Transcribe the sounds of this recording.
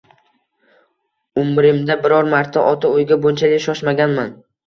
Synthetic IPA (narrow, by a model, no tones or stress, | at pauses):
ʊmɾɪmd̪abɪɾɒɾmaɾt̪ʰaʔɒt̪ʰaojɡʲabont͡ʃʰalɪkʃɒʃmaɡʲanman